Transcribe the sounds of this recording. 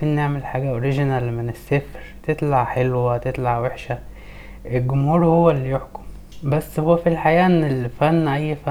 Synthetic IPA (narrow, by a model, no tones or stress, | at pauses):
fiːnːeʕmelħaːɡæʔoɾiʒenælmenesːefɾt̪et̪ˤlaʕħelwæt̪et̪ˤlaʕweħʃæ | ʔelɡʊmhuːɾhowːælːijoħko̥m | bæsːhowːæfilħajæːʔenːelfænːʔæjːfæ